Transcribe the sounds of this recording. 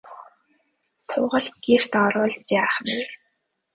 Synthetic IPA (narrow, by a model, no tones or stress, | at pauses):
t̪ʰʊːʁə̆ɮɡer̥t̪ɔɾʊːɮt͡ɕaːχwe